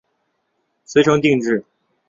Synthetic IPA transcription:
swe˧˥ɪʈ͡ʂʰɤ˥ŋt̪i˥˧ŋʈ͡ʂɻ̩˥˩

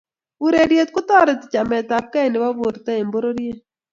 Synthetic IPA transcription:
u˦ɾe˨ɾje˨t̪̚kʊ˦t̪ɔ˦ɾɛ˨tɪ̥˨t͡ʃa˨mɛ˨t̪a˨p̚ka˦e˨nɪ˨wa˦bo˨ɾt̪ɛ˦e˨mbo˦ɾo˦ɾje˦

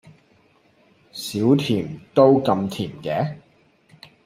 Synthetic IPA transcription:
siː˨˥wt̪ʰiː˨˩mt̪o˥wkɐ˧mt̪ʰiː˨˩mkɛː˨˥

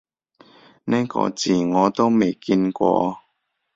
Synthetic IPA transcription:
nɛː˥kɔ̰ː˧t͡siː˨˩ŋɔː˨˧t̪o˥wme˨˩jki˧nkʷɔ̰ː˧

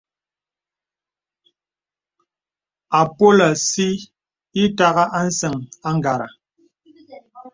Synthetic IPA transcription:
a˨po˦la˨si˦ | i˦ta˦ɣa˦ʔa˦n̩˦sɛ˨ŋa˦ŋ˨ɡa˨ɾa̰˨

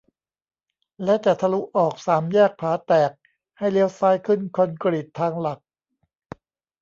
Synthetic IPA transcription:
lɛ˦˥t͡ɕa˨˩t̪ʰa˧lu˦˥ʔɔː˨˩k̚saː˩˦mjɛː˥˩k̚pʰaː˩˦t̪ɛː˨˩k̚ | ha˥˩jli˦əwsaː˦˥jkʰɯ˥˩nkʰɔ˧nkɾi˨˩t̪ʰːaː˧ŋla˨˩k̚

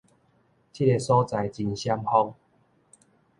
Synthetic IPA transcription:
t͡ɕʰi˦˥ɾe˧sɔ˦t͡sa˨jt͡ɕi˧nɕja˦mhɔ˦ŋ

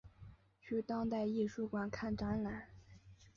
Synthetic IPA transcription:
t͡ɕʰy˥˩t̪ɑ˥ŋt̪a˥˧ɪi˥˧ʂu˥˩kwa˨˩nkʰa˥˩nʈ͡ʂa˧˥nla˧˥˦

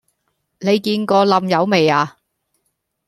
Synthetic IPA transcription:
ne˨˧jkiː˧nkɔː˧lɐ˧mjɐ˨˧wme˨jaː˨˧

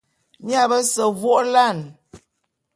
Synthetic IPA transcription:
mja˦˨bə˦sə˨vwo˦ʔla˦˨n

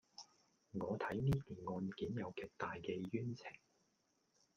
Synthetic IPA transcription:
ŋɔː˨˧t̪ʰɐ˨˥jniː˥k̪iː˨˩nŋɔː˧nkiː˨˥njɐ˨˧wkeː˨˩k̚t̪aː˨jkɛː˧jyː˥nt͡sʰɪ˨˩ŋ

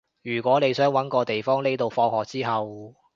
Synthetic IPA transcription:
jyː˨˩kʷɔː˨˥ne˨˧jsœː˨˥ŋwɐ˨˥nkɔː˧t̪e˨jfɔː˥ŋne˥jt̪o˨wfɔː˧ŋhɔː˨˩k̚t͡siː˥ɦɐ˨w

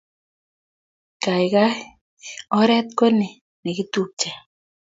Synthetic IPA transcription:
ka˨ɪ˨ka˦ | ɔ˦ɾɛ˦t̪̚ko˦nɪ˨ | nɛ˨kɪ˦t̪u˦k̚t͡ʃɛ˨

